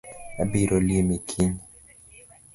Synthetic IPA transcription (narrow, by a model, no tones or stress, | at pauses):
abiɾoliemikʰin